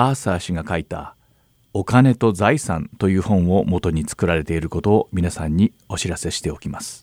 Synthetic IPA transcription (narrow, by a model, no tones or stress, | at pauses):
aːsaːɕiɡakait̪a̰ | o̞kane̞t̪o̞zaisã̰nt̪o̞jɯ̟ːhõ̞ɰ̃o̞mo̞t̪o̞ɲ̟it͡sɨ̥kɯ̟ɾaɾe̞t̪e̞iɾɯ̟kot̪o̞ːmʲinasãɲ̟ːi | o̞ɕiɾase̞ɕi̥t̪e̞o̞kʲimasɨ̥